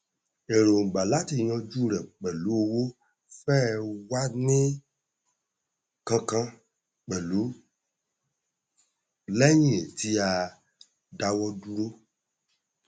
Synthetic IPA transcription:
e˨ɾo˨ɡ͡ba˨la˨˦ti˦˨j̃ɔ̃˧d͡ʒu˦˨ɾɛ˨k͡pɛ˨lu˨˦o˧wo˦ | fɛ˦˨wa˦nĩ˦ | kã˧kã˧ | k͡pɛ˨lu˨˦ | lɛ˦j̃ĩ˦˨e˨ti˧˦a˧ | da˧wɔ˦du˦ɾo˦

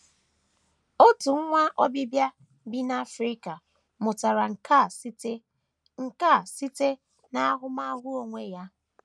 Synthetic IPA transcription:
o˦tu˨ŋ̩˦ŋʷa˦ʔɔ˦bi˦bja˦ | bi˦na˦fɾi˦ka˨ | mʊ˨ta˨ɾa˨ŋ˨˦ | ŋ̩˦ka˦˨si˦te˦ | na˦a˦ɦʊ˦ma˦ɣʷʊ˦o˨ŋʷe˦ja˦

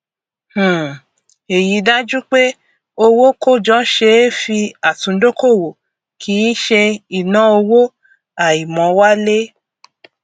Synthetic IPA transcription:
h̩˨ | e˨ji˨˦da˦d͡ʒu˦k͡pe˦ | o˧wo˦ko˦˨d͡ʒɔ̃˦ʃe˧˦fi˧a˨tũ˨˦do˦ko˦˨wo˨ | kʰi˨˦ʃe˧i˨nã˨˦o˧wo˦ | a˨i˨mɔ̃˨˦wa˦le˦

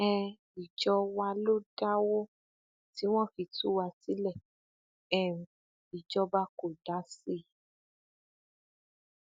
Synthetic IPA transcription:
ɛ˧ | i˨d͡ʒɔ˧wa˧lo˦da˦wo˦ | ti˨˦w̃ɔ̃˦˨fi˧tu˦wa˧ti˦lɛ˦˨ | ɛ˨ũ˨ | i˨d͡ʒɔ˧˦ba˦ko˨da˨˦si˦

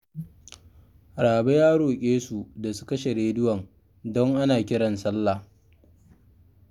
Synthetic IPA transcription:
ɽaː˨be˦jaː˦ɽoː˨kʲʼeː˦su˨da˨su̥˦kɐ˦ʃe˨ɾeː˨dɪ˦wɐ˨ŋ | dɔ˦ŋʔa˦naː˨kʲɪ˦ɽɐ˨nsɐ˦lːa˨

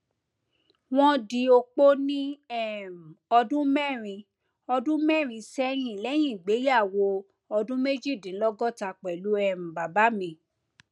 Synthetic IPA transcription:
w̃ɔ̃˦di˧o˧k͡po˦nĩ˦ɛ˦˨m˨ɔ˧dũ˦mɛ˦˨ɾ̃ĩ˧ | ɔ˧dũ˦mɛ˦˨ɾ̃ĩ˧sɛ˦j̃ĩ˦˨lɛ˨˦j̃ĩ˦˨ɡ͡be˨˦ja˦˨wo˧ | ɔ˧dũ˦me˦d͡ʒi˦˨dĩ˨˦lɔ˦ɡɔ˦˨ta˧˨k͡pɛ˨lu˨˦ɛ˧˨m̩˨ba˨ba˨˦mĩ˧˨

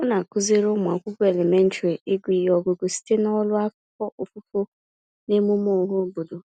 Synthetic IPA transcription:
ʊ˦na˨kʊ˦ze˦ɾo˦m˨a˨kʷʊ˦kʊ˦e˨le˨me˦n̩˦tɾi˨i˦ɡʷi˨jɔ˨ɡo˨ɡo˨si̥˦te˦nɔ˦lʊ˦a˦kʊ˦kɔ˦ʔo˨fu˦fo˦ | ne˦mu˦m˦o˦˨˦ɦʊ˦bo˨do˨

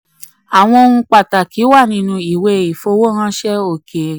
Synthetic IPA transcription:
a˨w̃ɔ̃˧o˧ũ˧k͡pa˨ta˨ki˨˦wa˦˨nĩ˧˦nũ˧i˨we˧i˨fo˧˦wo˦ɾã˦ʃɛ˦o˦˨ke˨

